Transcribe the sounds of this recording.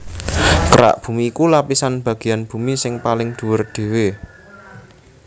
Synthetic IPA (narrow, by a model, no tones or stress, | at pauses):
kəɾa̰ʔb̥ṳmiːkulapisanb̥ä̤ɡ̥i̤janb̥ṳmisɪŋpalɪŋd̪̥ṳwʊrd̪̥e̤we